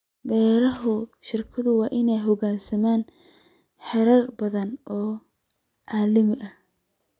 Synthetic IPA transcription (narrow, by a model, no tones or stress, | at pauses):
bɛːɾɐɦʊʃɪrkʰɐðʊwɑːʔɪnɛjɦɔɣaːsɐmaːn | ħɛɾɐrbɐðɐnʔɔː | ʕɑːlɪmɪʔɐh